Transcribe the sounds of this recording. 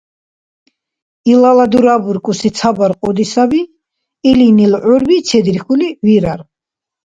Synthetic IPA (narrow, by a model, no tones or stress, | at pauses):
ilalad̪uɾabuɾkʼusit̪sʰabaɾqʼɔd̪isabi | ilinilʕuɾbit̪t͡ʃʰɛd̪ɾiχuliviɾaɾ